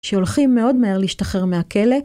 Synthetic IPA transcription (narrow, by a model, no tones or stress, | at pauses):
ʃeolχimːeo̞dmaeʁleiʃt̪aχe̞ʁmeakele̞